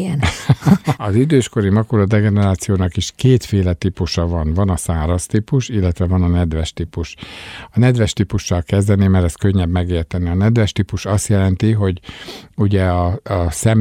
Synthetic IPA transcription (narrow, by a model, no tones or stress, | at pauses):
ɛn | ɒzid̪øːʃko̞ɾimɒkolɒd̪ɛɡɛnɛɾaːt̪sijoːnɒkiʃkeːt̪feːlɛt̪ipuʃɒvɒnvɒnɒsaːɾɒst̪ipuʃilːɛt̪ʋɛvɒnɒnɛd̪ʋɛʃt̪ipuʃɒnɛd̪ʋɛʃt̪ipuʃːɒlkɛzd̪ɛnimɛɾɛskøɲːɛbmɛɡeːrt̪ɛniɒnɛd̪vɛʃt̪ipuʃɒst̪jɛlɛnt̪iɦo̞ɟuɟɛɒɒsɛm